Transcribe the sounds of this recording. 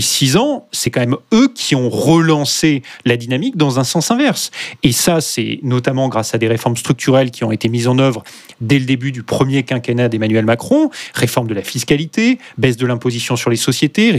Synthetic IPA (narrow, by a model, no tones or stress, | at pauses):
sizɑ̃sɛkɑ̃mɛmøkʲʰiɔ̃ʁəlɑ̃selad̪inamik̚d̪ɑ̃zɛ̃sɑ̃sɛ̃vɛʁsesasɛ̰nɔt̪amɑ̃ɡʁasad̪eʁefɔʁmst̪χyk̚t̪ʰyʁɛlkʲiɔ̃et̪emizɑ̃nœvʁ | d̪ɛləd̪ebyd̪ypχəmjekɛ̃kanad̪emanɥɛlmakχɔ̃ʁefɔʁmd̪əlafiskalit̪ebɛsd̪əlɛ̃pozisjɔ̃syʁlesɔsjet̪e